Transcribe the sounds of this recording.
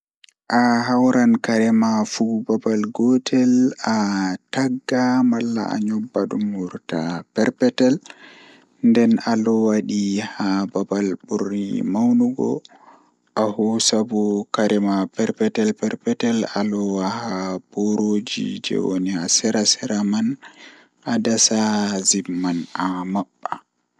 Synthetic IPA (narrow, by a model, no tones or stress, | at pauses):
ʔaɦawɾankaɾɛmafubabalɡɔtʰɛlataɡːamalːa̰ʔa̰ɲɔbːaɗumːuɾta̰pɛɾpɛtɛl | ndɛnalɔwaɗihababalburːḭmawnuɡɔ̰ | ʔahusabukaɾʔɛmapɛɾpɛtɛlpɛɾpɛtɛlalɔwahab̥oɾod͡ʒḭd͡ʒɛ̰wo̰niasɛɾasɛɾaman | ʔadasazimːanamaɓːa